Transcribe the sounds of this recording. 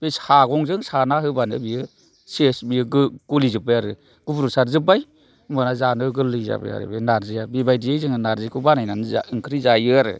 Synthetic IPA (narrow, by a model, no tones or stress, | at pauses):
b̥eshaɡɔŋzɯŋsanahɯbanɯ̰biɯ | sesbijɯɡɡ̥ulizɯpːɯjaɾɯ | ɡ̥ubɾusaɾzɯp̬ːaj | mɯnazanɯɡɯlːɯza̰bɯ̰ja̰ɾɯ̰benaɾzɯjabibajdijejzɯŋɯnaɾzikʰɯbanajnanɯza̰ɯŋkʰɾizajɯɾɯ̰